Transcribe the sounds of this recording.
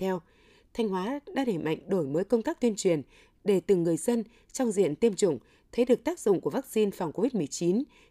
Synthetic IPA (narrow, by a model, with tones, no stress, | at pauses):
ɛ˧w | t̪ʰa˧jŋ̟hwaː˨˦ɗa̰ː˧˥ɗe˧˩ma̰˧˨jŋ̟ɗo˧˩jməː˨˦jkə˧wŋ͡mt̪aː˦˥k̚t̪wənt͡ɕwi˨˩ən | ɗe˧˩t̪ɨ˨˩ŋːɨ˨˩əjzə˧n | t͡ɕɔ˧wŋ͡mzḭ˧˨ənt̪i˧əmt͡ɕʊ̰˧˨ŋ͡m | t̪ʰe˨˦ɗɨ˨˩ək̚t̪aː˦˥k̚z̥ʊ̰˧˨ŋ͡mku˧˩əvaː˦˥k̚si˧nfa˨˩wŋ͡mko˧vi˦˥t̚mɨ˨˩əjt͡ɕi˨˦n